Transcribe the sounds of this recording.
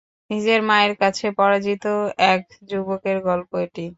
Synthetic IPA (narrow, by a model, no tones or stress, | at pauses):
nid͡ʑeɾmaeɾkat͡ɕʰepɔɾad͡ʑit̪oɛk | d͡ʑubokeɾɡɔlpoeʈi